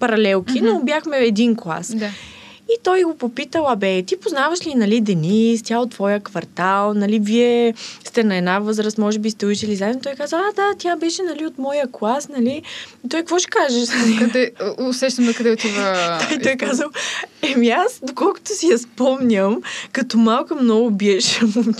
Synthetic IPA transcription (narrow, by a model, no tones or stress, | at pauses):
pɐɾɐlɛlˠkʲinobʲjaxmɛɛd̪inklˠa̰sd̪a | it̪ɔjɡopopit̪əlˠɐbɛt̪ipoznavəʃlinɐlid̪ɛnist̪ʲjaot̪ːvɔjəkvɐɾt̪alˠnɐliviɛst̪ɛnɐɛd̪navɤzɾəst̪mɔʒɛbist̪ɛuʃɛlizaɛnot̪ɔjkazəad̪at̪ʲjabɛʃɛnɐliot̪mɔjəklˠasnɐlit̪ɔjkkvɔʃkaʒɛʃkd̪ɛʊsɛʃt̪əmnɐkɐd̪ɛot̪ʲivəd̪ait̪ɔjkazəlɛmiasd̪okɔlˠkʊ̥t̪ʊsijɐspɔmɲəmkɐt̪ɔmalˠkɐmnɔɡʊbiɛʃm